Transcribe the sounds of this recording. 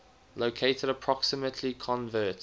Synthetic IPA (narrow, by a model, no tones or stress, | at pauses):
loʊkʰeɪtʰəɾəpʰɹ̥ɔksəmətʰlikʰɔ̃nvɜːˑt